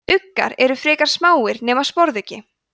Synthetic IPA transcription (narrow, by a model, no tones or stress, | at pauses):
ʏkːa̰ɾɛɾʏfɾɪːkaɾ̥smaːwɪɾnɛːmaspɔɾðʏcɪ